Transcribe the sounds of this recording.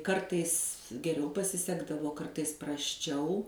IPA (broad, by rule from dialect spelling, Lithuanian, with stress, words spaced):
ˈkɐrtɐɪs ɡʲɛˈrʲɛʊ pɐsʲɪˈsʲæːɡdɐʋoː ˈkɐrtɐɪs prɐsʲˈt͡ʃʲɛʊ